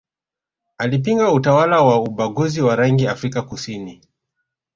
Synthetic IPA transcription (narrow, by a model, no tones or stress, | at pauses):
alip̬iŋɡautawalawauɓaɡuziwaɾaŋɡiafɾikakusini